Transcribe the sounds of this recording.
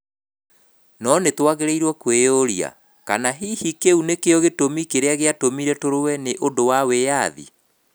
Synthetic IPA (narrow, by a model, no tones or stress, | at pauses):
nɔnetwaɣeɾeiɾwɔkwejoɾia̰ | ka̰naɦihikeunekeɔɣetomikeɾeaɣeatomiɾɛtoɾowɛneʔodowawejaðḭ